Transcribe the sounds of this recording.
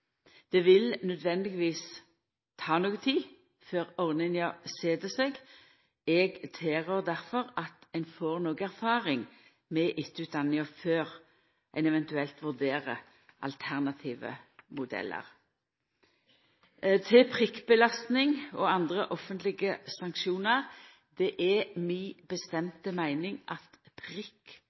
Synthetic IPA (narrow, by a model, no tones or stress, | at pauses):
d̪̥ɛʋɪlnœd̪ʋɛnd̪ɪɡʋiːs | t̪ʰɑːnoːɡət̪ʰiː | føːʁɔʁnɪnɪɑseːd̪əsɛɡ | ɛɡt̪ʰeːʁøʁd̪æʁfɔʁɑt̪æɪnfoːʁnoːɡæʁfɑːʁɪŋ | mɛʔɪt̪ːəʉːt̪̚d̪ɑnːɪəføːʁ | ʔæɪnɛʋɛnt̪ʉɛlt̪ʋʉʁd̪eːʁə | ʔɑ̰lt̪ʰæʁnɑt̪ʰiːʋə̰mʊd̪ɛ̰lːʔə̰ʁ | t̪ʰɪpʰʁɪkːbəlɑst̪nɪŋɔɑnd̪ʁəʔɔfːənt̪lɪɡəsɑŋkʃuːnəʁ | d̪ɛʔɛmɪbəst̪ɛmt̪əmæɪnɪŋʔɑt̪pʰʁɪkː